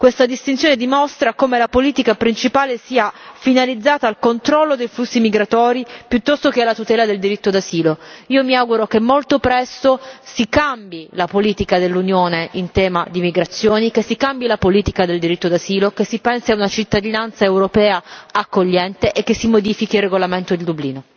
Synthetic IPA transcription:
kwest̪ad̪ist̪int̪sjoːned̪imost̪ɾakoːmelapoliːt̪ikapɾint͡ʃipaːlesiːafinalid̪zːaːt̪aːlkont̪ɾɔlːod̪ejflusːimiɡɾat̪ɔːɾipjut̪ːɔst̪okealːat̪ut̪ɛːlad̪eld̪iɾit̪ːod̪aziːloiːomiaɡuɾokemːolt̪opɾɛst̪osikambilapoliːt̪ikad̪elːunjoːneʔint̪ɛːmad̪imiɡɾat̪sːjoːnikesːikambjilapoliːt̪ikad̪eld̪iɾit̪ːod̪aziːlokesːipɛnsiaunat͡ʃit̪ːad̪inant̪saewɾopɛːaakːoʎːɛnt̪eʔekːesːimod̪iːfikirːeɡolament̪od̪eld̪ubliːno

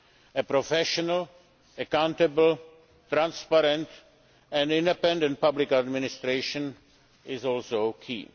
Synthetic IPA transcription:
əpɾofɛʃɔnal | əkãw̃nt̪əbl̩ | t̪ɾãnspaɾɛ̃nt̪ | ɛ̃ndɪ̃ndɛpɛ̃ndɛ̃nt̚pablɪkadmɪnɪst̪ɾeʃə̃n | ɪzɔlsoʊkʰḭː

